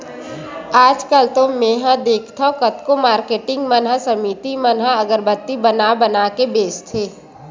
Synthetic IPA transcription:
aːd͡ʒkəlt̪omẽɦãd̪eːkʰt̪ʰakət̪komaːɾkeːʈɪ̃ŋɡmənɦəsəmiːt̪imənɦəɐɡəɾbət̪ːibənabənaːkebeːst̪ʰeː

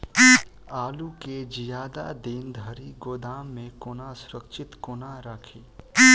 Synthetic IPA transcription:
aːluked͡ʒijaːd̪a̰d̪ind̪ʱəɾiɡoːd̪aːmːẽkʊnasʊɾəkʃɪt̪kʊnaɾəkʰiː

